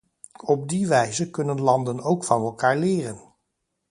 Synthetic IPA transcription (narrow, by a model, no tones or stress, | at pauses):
ɔb̚diʋɛjzəkɵnənlɑndənowkfɑnɛlˠkaːɹlɪːrən